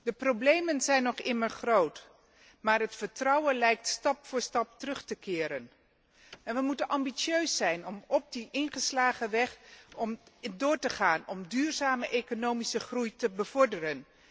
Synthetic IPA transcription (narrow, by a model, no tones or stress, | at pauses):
d̥əprowblejmənzɛjnːɔχɪməɹχrowt | maːɹɦətfəɹtrɑwənlɛjk̚tstɑpfʊːɹstɑp̚tərɵχtəkɪːɾən | ɛnʋəmutənʔɑmbisøɥsːɛjnɔmɔp̚diʔɪnχəslaːχəʋɛχɔmdʊːɹtəχaːnɔmdyːɹzaːməʔejkonowmisəχrujtəbəv̥ɔɹdərən